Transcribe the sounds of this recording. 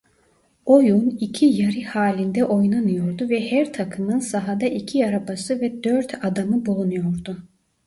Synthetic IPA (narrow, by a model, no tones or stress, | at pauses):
ojunicʰijaɾɯhaːlʲind̪ɛʔo̞jnanɯjo̞ɾd̪uvɛhæɾt̪ʰakʰɯmɯnsaɦad̪aʔicʰiaɾabasɯvɛd̪øɾt̪ʰad̪amɯbulˠunujo̞ɾd̪ʊ